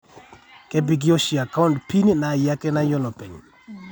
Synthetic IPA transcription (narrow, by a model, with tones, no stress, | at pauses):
kɛ˦bi˨ɡi˦o˦ʃi˨a˨ka˦u˦˨ntpi˦n˦na˨ja˦kɛ˦na˦jɔ˦lɔ˨pɛ˨ɲ˨